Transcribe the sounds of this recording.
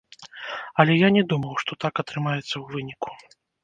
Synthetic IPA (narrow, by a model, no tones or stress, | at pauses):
ɐlʲɛjanʲɛd̪umɐwʂt̪ɔt̪akɐt̪ɾɨmajɛt̪sːɐwvɨnʲiku̥